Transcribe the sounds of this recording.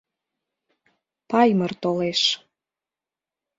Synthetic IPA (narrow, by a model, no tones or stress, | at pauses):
pɑjmərt̪oleʃ